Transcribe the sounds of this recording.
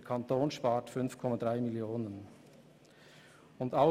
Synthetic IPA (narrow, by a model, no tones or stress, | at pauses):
kʰantoːnʃpaːtfʏnfkʰɔmadʁaɪmɪljoːnən | ʊndaʊ